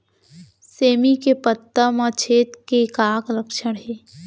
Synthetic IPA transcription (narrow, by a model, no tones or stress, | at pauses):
seːmikepət̪ːəmãt͡ʃʰeːt̪kekaːkləkʃəɽ̃ɦeː